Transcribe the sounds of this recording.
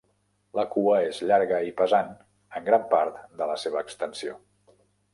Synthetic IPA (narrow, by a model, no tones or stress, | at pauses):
ləkuəezʎaɾɣəipəzan | əŋɡɾampaɾt̪d̪ələseβəːkst̪ənsio